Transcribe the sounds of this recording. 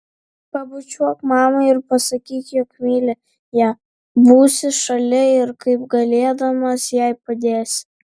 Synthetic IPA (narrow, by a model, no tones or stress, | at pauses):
pɐbʊt͡ʃʲuɔkmɑːmɐɪɪɾpɐsɐkʲiːt̪ʲjoːkmʲiːlʲɛ | jæː | buːsʲɪʃɐlʲɪɪɾkɐɪpɡɐlʲeːd̪ɐmɐsjɛɪpɐd̪ʲeːsʲ